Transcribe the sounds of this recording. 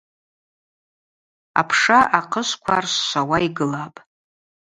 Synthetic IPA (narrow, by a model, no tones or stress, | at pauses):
a̰pʰʂaʔaqʰəʃʷkʷʰarsːʷawaiɡɨlapʼ